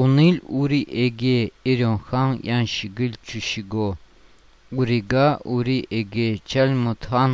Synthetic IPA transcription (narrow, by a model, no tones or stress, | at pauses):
uniluɾiʔɛɡeiɾɔnxanjanʃiɡilʲt͡ʃʰuʃiɡo | uɾiɡaʔuɾiʔɛɡet͡ʃʰɛlʲmut̪ʰhan